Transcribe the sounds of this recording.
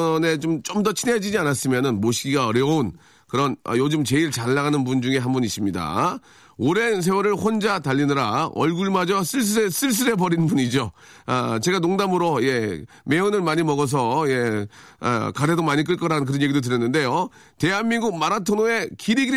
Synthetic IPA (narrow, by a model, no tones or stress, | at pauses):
ne̞t͡ɕomt͡ɕomdʌt͡ɕʰined͡ʑid͡ʑianas͈ɯmjʌnɯnmoɕʰiɡiɡaʌɾjʌn | kɯɾʌnʌ̰jod͡ʑɯmt͡ɕe̞iɭt͡ɕaɭːaɡanɯnpund͡ʑuŋe̞ɦambunis͈ɯmɲida̰ | oɾe̞ns̬ʰewaɾɯɭɸond͡ʑataʎːinɯɾaʌ̰ɭɡuɭmad͡ʑʌs͈ɯɭs̬͈ɯɾes͈ɯɭs̬͈ɯɾe̞pʌɾinbuɲid͡ʑo | at͡ɕe̞ɡanoŋdamɯɾoje̞ | me̞ɯnɯɭmaɲimʌɡʌs̬ʰʌje̞̰ | kadedomaɲik͈ɯɭk͈ʌɾaɯnk̬ɯɾʌnjeɡidotɯɾjʌnːɯnde̞jo | te̞ɦanmːinɡuɡ̚maɾatʰonoe̞kiɾiɡi